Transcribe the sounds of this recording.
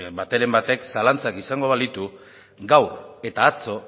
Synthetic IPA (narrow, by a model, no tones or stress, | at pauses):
bat̪e̞ɾe̞mbat̪e̞ksalant͡sakisaŋɡo̞βald̪it̪u | ɡawe̞t̪aːt͡so̞